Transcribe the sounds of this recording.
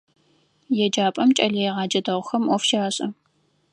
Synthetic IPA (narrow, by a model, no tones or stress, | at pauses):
jɛd͡ʒaːpʼɐmt͡ʃʼɐɮɐjɛʁɑːd͡ʒɐdɐʁʷxɐmʔʷɔfʃaːɕʼɐ